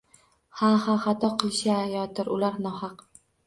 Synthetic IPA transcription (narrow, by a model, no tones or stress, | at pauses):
hahaχat̪ʰɒqʰɨlˠʃajɒt̪ɪɾʔʊlaɾnɒhɑq